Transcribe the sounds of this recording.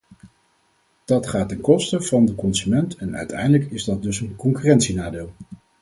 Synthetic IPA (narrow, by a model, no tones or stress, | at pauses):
d̥ɑtχaːtɛnkɔstəv̥ɑndəkɔnzymɛntʰɛnœ̰ɥtɛ̰jndələkɪzdɑt̚dɵsənkɔŋkyrɛntsinaːdeːlˠ